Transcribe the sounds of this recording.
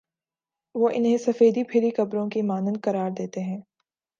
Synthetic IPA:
ʋoːʔɪnɦẽsɐfeːd̪ipʰɪɾikɐbɾõkimaːnə̃n̚kɐɾaːɾd̪eːt̪eɦɛ̃ː

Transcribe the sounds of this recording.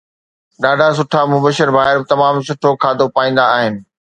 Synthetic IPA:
ɗaːɖʱas̬ʊʈʰamʊbəʃɪɾbʱaːɦɪɾbɪt̪ɐmaːmsʊʈʰokʰaːd̪opaːĩːn̆d̪aːɦɪnɪ̆

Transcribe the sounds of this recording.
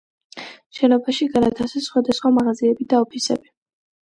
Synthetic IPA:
ʃɛnɔbaʃiɡanat̪ʰasɛsχwad̪asχwamaʁaziɛbid̪aɔpʰisɛ̰bi

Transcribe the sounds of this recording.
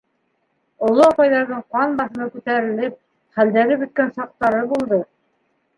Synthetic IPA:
ŏlˠoɑpɑjðɑɾðɤɴqɑnbɑθɤ̆nɤkʉt̪æɾɘ̆lɘp̚ | χæld̪æɾɘbɵ̆t̪̚kænsɑq̚t̪ɑɾɤbulˠd̪ɤ

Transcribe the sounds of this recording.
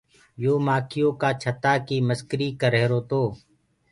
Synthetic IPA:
joːmaːkʰɪjõːkaːt͡ʃʰət̪aːkiːməskɾiːkəɾeːɾoːt̪oː

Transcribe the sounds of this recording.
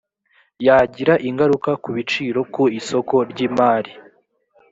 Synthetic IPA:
jaɟiɾaʔiŋɡaɾukakuβit͡ʃiːɾo̞kuiso̞ko̞ɾɟiːmaːɾi

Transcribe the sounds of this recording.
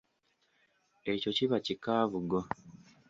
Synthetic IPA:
e̞co̞ciβacikaːvuɡo

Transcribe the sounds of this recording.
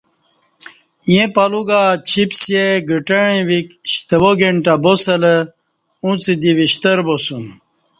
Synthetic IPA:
jẽpaluɡat͡ɕipsjeɡəʈɐɳĩʋikɕt̪əwoɡeɳʈabosɐlə | ũt͡sid̪iʋiɕt̪əɾbosun

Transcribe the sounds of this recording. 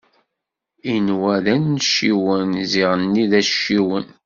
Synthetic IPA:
inwæðænːʃiwənziʁənːiðæʃiwən

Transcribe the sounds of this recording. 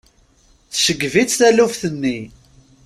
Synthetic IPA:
θsəɡvit͡sθæluvθənːi

